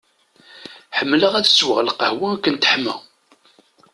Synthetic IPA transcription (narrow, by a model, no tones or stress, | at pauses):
ħəmːləʁæðəswəʁlqəhwækːənt̪əħmə̰